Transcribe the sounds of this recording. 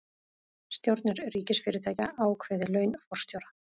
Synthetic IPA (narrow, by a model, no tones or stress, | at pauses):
st̪jowɾt̪nɪɾriːcɪsfɪːɾɪɾt̪ʰaːjca̰ʔaːwkʰvɛːðɪlœːɥnfɔr̥st̪jowɾa